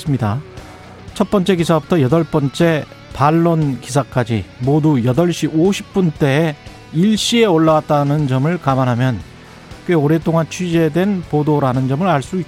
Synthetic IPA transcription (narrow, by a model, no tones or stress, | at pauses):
s͈ɯmɲida | t͡ɕʰʌt̚p͈ʌnt͡ɕ͈e̞ɡisʰabutʰʌjʌdʌɭp͈ʌnt͡ɕ͈e̞ | paɭːonkis̬ʰak͈ad͡ʑimodujʌdʌɭɕ͈iʔoɕʰi̥p̚p͈unt͈e̞ː | iɭɕ͈ie̞oɭːawat̚t͈anɯnd͡ʑʌmɯɭkamanɦamjʌn | keoɾe̞t͈oŋant͡ɕʰɥid͡ʑe̞dwe̞npodoɾanɯnd͡ʑʌmɯɾaɭs͈ui